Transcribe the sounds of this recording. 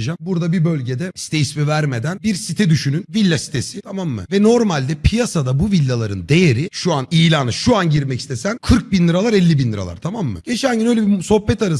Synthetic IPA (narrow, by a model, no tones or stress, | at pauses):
d͡ʒambuɾd̪abibø̞lʲɟed̪ɛsi̥t̪ʰejismɛvæɾme̞d̪ænbiɾsit̪ʰɛd̪yʃynynvilʲːasi̥t̪ʰesit̪ʰamamːɯ̰vɛno̞ɾmalʲd̪ɛpʰijasad̪abuvilʲːalˠaɾɯnd̪e̞jeɾiʃuanijlʲaːnɯʃuanɟiɾmɛci̥st̪esænkʰɯɾk̚binlʲɯɾalˠaɾɛlʲːibinlʲɯɾa̰lˠa̰ɾt̪ʰamamːɯ̰ɟ̥e̞t͡ʃʰænʲɟinø̞jlʲebiso̞hbɛt̪aɾɯ